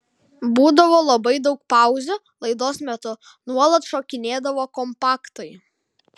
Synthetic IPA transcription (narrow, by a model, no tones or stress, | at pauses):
buːd̪ɐʋoːlˠɐbɐɪd̪ɒʊk̚pɑˑʊzʲʊ | lˠɐɪd̪oːsmʲɛt̪ʊ | nuɔlˠɐt̪ʃoːkʲɪnʲeːd̪ɐʋoːkɔmpɑːkt̪ɐɪ